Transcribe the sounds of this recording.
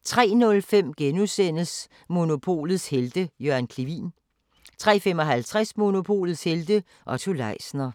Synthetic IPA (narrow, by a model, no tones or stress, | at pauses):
t͡sʰʁɛ̰ːnɔ̽lfem̰ɡ̥enusen̰əs | mo̝no̝pʰo̝̰ːlð̩ˠsheld̥əjøɐnkʰliʋḭːn | t͡sʰʁɛ̰ːfem̰ɒ̽ɦælt͡sʰʁasmo̝no̝pʰo̝̰ːlð̩ˠsheld̥ə | ʔɒt͡sʰulɑ̈ɪsnɐ